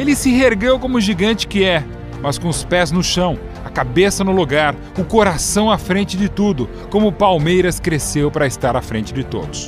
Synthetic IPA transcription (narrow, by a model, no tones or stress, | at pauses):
elɪsɪɦeɾɡewkõmʊʒiɡɐ̃nt͡ʃɪ̥kɪɛ | mɐskõʊspɛznʊʃɐ̃w̃ | ɐkabesɐnʊluɡaɾ | ʊkoɾasɐ̃w̃ɐfɾẽnt͡ʃɪd͡ʒɪt̪ud̪ʊ | kõmʊpawmejɾɐskɾesewpaɾɐɪst̪aɾɐfɾẽnt͡ʃɪd͡ʒɪt̪o̰d̪ʊs